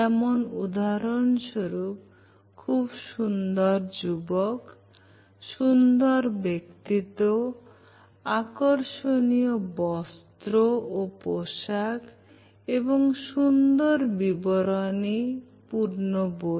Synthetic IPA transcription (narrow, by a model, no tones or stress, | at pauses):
ɛmɔnud̪aɾɔnʃoɾup̚ | kʰːubʃund̪ɔɾd͡ʒubɔk | ʃund̪ɔɾbekt̪it̪o | akɔɾʃonijɔbɔst̪ɾoopoʃakʰ | ebɔŋʃund̪ɔɾbibɔɾɔni | puɾnobo